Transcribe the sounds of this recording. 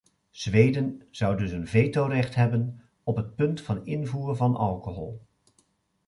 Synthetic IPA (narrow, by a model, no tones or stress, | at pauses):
z̥ʋejdənz̥ʌwdɵsənvejtowrɛχtɦɛbən | ɔpɦət̚pɵntfɑnɪnvuːrəvɑnɑ̰lˠkoɦɔ̰lˠ